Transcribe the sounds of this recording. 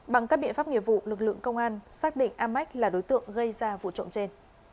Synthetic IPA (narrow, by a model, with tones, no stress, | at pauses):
ɓa˨˩ŋkaː˦˥k̚ɓḭ˧˨ənfaː˦˥p̚ŋḭ˧˩əvṵ˧˨lɨ˨˩k̬̚lɨ̰˧˨əŋkə˧wŋ͡mʔaː˧nsaː˦˥k̚ɗḭ˧˨ŋ̟ʔaː˧mːa˦˥jk̚laː˨˩ɗo˨˦jt̪ɨ̰˧˨əŋɣə˧jzaː˧vṵ˧˨t͡ɕo̰˧˨ŋ͡mt͡ɕe˧n